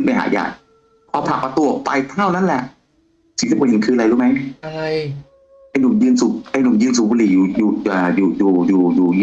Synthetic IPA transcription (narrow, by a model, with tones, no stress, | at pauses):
ɯ˧˥˩npa˧jɦa̰ː˨˩˦ja̰ː˨˩k̚ | pʰɔː˧pʰa˨˩k̚pa˧t̪u˧˩əpa˧jp̪ʰaː˥˩˨wna˦˥˨nlɛ˨˩ʔ | si˨˧˦si˨˦˨he˨˦nkʰɯː˧ʔa˧la˧ɾuː˦˩ma˦˥ja˧ɾa˧j | ʔa˧jnu˨˩˦mjɯː˧nsu˨˧˩k̚ʔa˧jnu˨˩˦mjɯː˧nsu˨˦k̚buː˧liː˨˩juː˨˩juː˨˩˨ʔaː˨˩juː˨˩juː˨˩juː˨˩juː˨˩˧